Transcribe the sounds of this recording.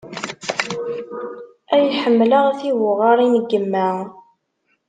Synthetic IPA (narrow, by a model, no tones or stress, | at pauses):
æjħəmːləʁæθiwʊʁɑɾˤinəɡːəmːæ